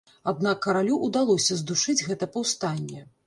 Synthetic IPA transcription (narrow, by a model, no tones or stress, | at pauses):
ad̪̚nakːɐɾalʲuʔud̪alˠɔsʲɐzd̪uʂɨd͡zʲɣɛt̪ɐpɐwst̪anʲːɛ